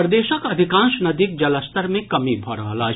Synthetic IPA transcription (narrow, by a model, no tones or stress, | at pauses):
ɾd̪eːʃəkɐd̪ʱikãːnʃnɐd̪ik̚d͡ʒɐləst̪əɾmẽkɐmibʱɔɾa̰ːlaː